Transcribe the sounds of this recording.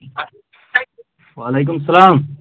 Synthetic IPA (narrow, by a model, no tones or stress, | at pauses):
walejk̬ʊmɐsːɐlaːm